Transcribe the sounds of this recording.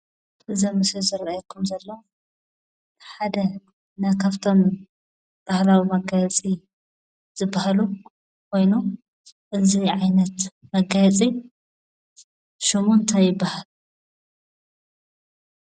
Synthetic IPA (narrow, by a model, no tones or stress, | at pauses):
ʔɨzɐmɨsizɨɾɐjɐkʰumzɐlːɐw | ħad̪ɐ | najkʰaβt̪ʰo̞m | b̥ahlawimɐɡajɐt͡sʼi | z̥ɨbːahalu | kʰo̞jnu | ʔɨziʕajnɐt̪mɐɡajɐt͡sʼi | ʃumunt̪ʰajɪbːahal